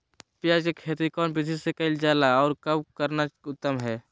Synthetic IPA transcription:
pjaːd͡ʒkekʰeːt̪ikɔːnpɪt͡ʃʰisekəɪld͡ʒaːlaɔːɾkəbkəɾnaʊt̪ːəmɦɛː

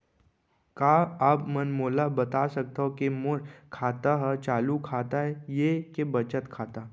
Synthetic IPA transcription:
kaːaːpmənmoːlabɐt̪asɐk̚t̪aɦokemoɾkʰaːt̪aɦt͡ʃaːlukʰaːt̪aɦɛjekebət͡ʃət̪kʰaːt̪aː

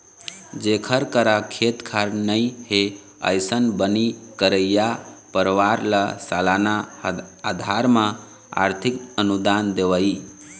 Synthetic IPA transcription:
d͡ʒekʰəɾkəɾakʰet̪kʰaɾnəjhe | ə̰jsənbənikəɾəjjapəɾʋaɾlasalanaː | d̪ʱaɾmã | a̰ɾt̪ʰikənud̪and̪eʋəj

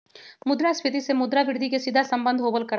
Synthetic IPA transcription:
mʊd̪ɾasʋʰɪt̪̬isemʊd̪ɾaʋɪɾd̪ʱikesɪd̪ʱasɐ̃mbə̃nd̪ʱɦoːbəlkɐɾ

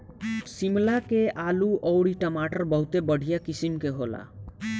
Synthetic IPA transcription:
simlakeʔaluʔɔʊɽiʈəmaʈəɾbəɦut̪ebəɽ̤ʱijakisimkeɦola̰

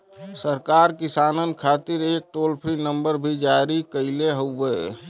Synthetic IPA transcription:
səɾkaɾkisaːnənkʰat̪iɾek̚ʈolpʰɾinəmbəɾbʱid͡ʒaɾikəɪleɦowe

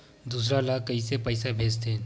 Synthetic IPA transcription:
d̪uːsɾalakɐisepəɪsabʱeːd͡ʒt̪ʰe

